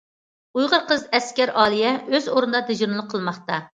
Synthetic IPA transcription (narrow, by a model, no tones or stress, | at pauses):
ujʁəɾqəzɛskʲɛɾʔɑːlˠijɛøzoɾɨnɨd̪ɑd̪ed͡ʒuɾnɨlˠəqʰːəlˠmɑχt̪ɑ